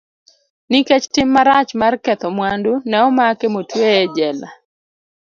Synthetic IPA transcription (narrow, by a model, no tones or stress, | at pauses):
niket͡ʃtɪmːaɾat͡ʃmarkɛt̪ɔmwandunɛɔmakemotweed͡ʒɛla̰